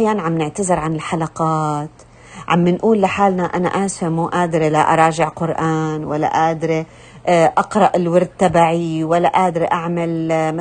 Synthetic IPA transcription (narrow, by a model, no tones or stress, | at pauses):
ħjaːnʕamnɪʕt̪azɪɾʕanɪlħalaqɑːt̪ | ʕa̰mːɪnʔuːlːɪħaːlnaʔana̰ʔaːsamuːʔaːd̪ɾilaʔɑ̰ɾˤɑːʒɪʕqʊɾʔaːnwalːa̰ʔaːd̪ɾi | ʔɑqɾˤɑʔɪlwɪɾˤd̪̚t̪ːabaːʕiwalːaʔaːd̪ɾiʔaʕmalm